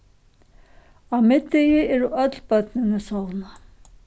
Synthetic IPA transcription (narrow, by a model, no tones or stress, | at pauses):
awmɪt̪ːɪjɪɛɾuʔœt̪lpœt̪nɪnəsɔwna